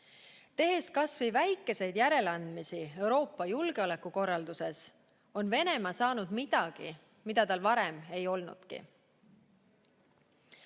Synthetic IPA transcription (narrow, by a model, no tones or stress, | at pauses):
t̪e̞ɦe̞skɑsvivæjkːˑe̞se̞jd̪jæɾe̞lɑnd̪misie̞wɾo̞ːpːɑjulɡeo̞le̞kːuko̞rːɑld̪use̞s | o̞nve̞ne̞mɑsɑːnud̪mid̪̥ɑɡ̥ḭ | mid̪̥ɑt̪ɑlvɑɾe̞me̞jo̞lnṵd̪̥kḭ